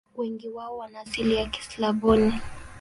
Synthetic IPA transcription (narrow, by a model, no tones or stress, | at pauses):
wɛŋɡiwaɔwanaːsiliaki̥slabɔni